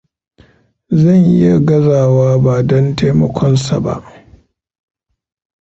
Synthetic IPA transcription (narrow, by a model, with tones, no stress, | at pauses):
zɐ˦˨ɲʔɪ˦ja˨ɡɐ˦zaː˨waː˦ba˨dɔ˦ntaː˦mɔ˦kʷʰɔ˦nsa˨ba̰˦˨ʔ